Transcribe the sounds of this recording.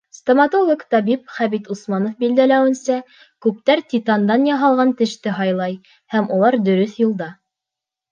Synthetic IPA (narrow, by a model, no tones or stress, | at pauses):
st̪omɑt̪olˠokt̪ɑβip̚χæβit̪usmɑnŏfbild̪ælæwɘ̆nsæ | kʉp̚t̪æɾt̪it̪ɑnd̪ɑnjɑɦɑlˠʁɑnt̪ɘ̆ʃt̪ɘɦɑjlˠɑj | hæmulˠɑɾd̪ɵ̆ɾɵθjŭlˠd̪ɑ